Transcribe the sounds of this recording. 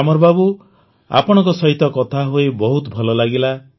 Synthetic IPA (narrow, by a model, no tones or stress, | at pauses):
amɔɾbabu | a̰pɔɽ̃ɔ̃ŋkɔsɔɦit̪ɔkɔt̪ʰaɦoebɔɦut̪ɔbʱɔlɔlaɡila